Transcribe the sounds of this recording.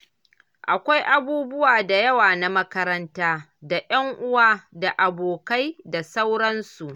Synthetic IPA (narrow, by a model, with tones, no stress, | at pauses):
ʔa˨kʷa˦jʔa˦buː˦bʊ˦waː˨da˨jɐ˦waː˨na˦mɐ˦kɐ˦ɾɐ˦ntaː˦ | da˨jɐ˦ŋʔʊ˦waː˦da˨ʔa˨boː˨ka˦jda˨sa˦wɽɐ˦nsu˨ʔ